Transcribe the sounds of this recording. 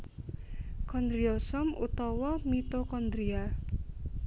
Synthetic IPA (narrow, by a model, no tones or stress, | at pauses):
kɔnd̪ɾiɔsɔmṵt̪ɔwɔmit̪okɔnd̪ɾia